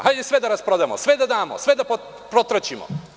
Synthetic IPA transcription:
hajd̪ɛsʋed̪aɾaspɾod̪ajemo̰sʋed̪ad̪aːmosʋed̪apo | pɾot̪ɾat͡ɕimo̰

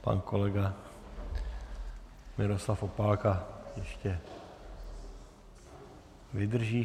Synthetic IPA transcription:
pa̰ːnkolɛɡa | mɪɾoslafopalkajɛʃcɛ | ʋid̪r̩ʒiː

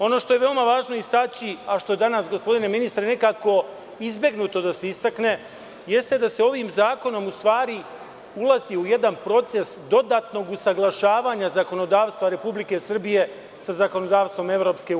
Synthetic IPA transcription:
o̞no̞ʃt̪o̞jeʋe̞omaʋaːʒno̞ist̪at͡ɕiaʃt̪o̞je̞d̪anasɡospo̞d̪ineminist̪ɾene̞kaːko̞ | izbje̞ɡnut̪o̞d̪ase̞ist̪akne̞ | je̞st̪e̞d̪ase̞o̞ʋiːmzaːko̞no̞must̪ʋaːɾi | ulˠaziuje̞d̪anpɾo̞t̪se̞sd̪o̞d̪aːt̪no̞ɡusaɡlˠaʃaːʋaːɲazako̞no̞d̪aːʋst̪ʋaɾe̞publike̞sr̩bije̞ | sazako̞no̞d̪aːʋst̪ʋo̞me̞ʋɾo̞ːpske̞

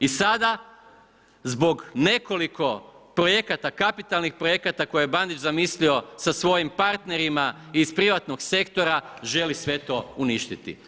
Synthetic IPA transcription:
isad̪a | zbo̞ɡne̞ko̞liko̞pɾo̞je̞kat̪akapit̪alˠnixpɾoje̞kat̪ako̞jeeband̪it͡ʃzamislio̞sasʋo̞jimpaɾt̪ne̞ɾima | iːspɾiʋat̪no̞ɡse̞kt̪o̞ɾaʒe̞lisʋe̞t̪o̞uniʃt̪it̪ḭ

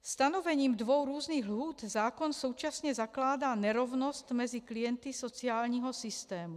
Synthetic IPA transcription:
st̪anɔvɛɲiːmd̪ʋɔwɾuːzniːɣlɦuːd̪zaːkɔnsuːt͡ʃasɲɛzaklaːd̪anɛɾɔvnɔst̪mɛziklijɛnt̪isɔt͡siaːlɲiɦɔsist̪ɛːmu

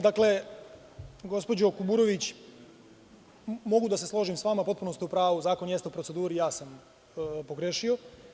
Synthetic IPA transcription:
d̪akle | ɡo̞spo̞d͡ʑo̞kubuːɾo̞ʋit͡ɕ | mo̞ɡud̪aseslˠo̞ːʒimsʋaːmapo̞t̪̚puno̞st̪iupɾaːʋuzaːko̞njesupɾo̞tse̞d̪uːɾijaːsam | poɡɾeʃio̞

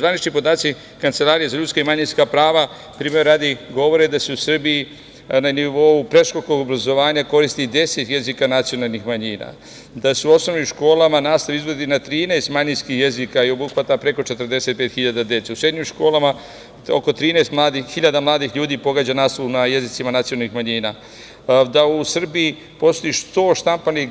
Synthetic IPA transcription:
zʋanit͡ʃɲimpo̞d̪aːt̪si | kant̪se̞laːɾijezaʎut̪skaimaɲinskapɾaːʋa | pɾiːmeaːd̪iɡo̞ʋo̞ɾed̪aseusr̩biji | naniʋo̞upɾe̞ʃkokoɡobɾazo̞ʋaːɲako̞ɾist̪id̪e̞se̞t̪je̞zikanat̪sijo̞nalˠnixmaɲiːna̰ | d̪aseuo̞sno̞ʋnimʃko̞ːlˠamanaːst̪aʋiizʋod̪inat̪ɾiːneːst̪maɲinskixje̞zikaio̞buxʋat̪apɾe̞ko̞t͡ʃe̞t̪r̩d̪e̞se̞t̪peːt̪xiʎad̪ad̪je̞t̪seusɾed̪ɲimʃko̞ːlama | oko̞t̪ɾiːnɛest̪mlˠaːd̪ixiʎad̪amlˠaːd̪ixʎuːd̪iːpo̞ɡaːd͡ʑanaːst̪ounaje̞zit̪simanat̪sijonalnixmaɲiːna | d̪ausr̩bii | po̞st̪ojiʃt̪o̞ːʃt̪ampani

